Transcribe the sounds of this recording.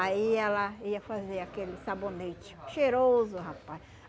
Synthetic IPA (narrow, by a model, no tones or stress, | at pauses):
aiɛlɐiɐfazeɾakelɪsabonet͡ʃɪ̥ʃeɾozʊɦapaj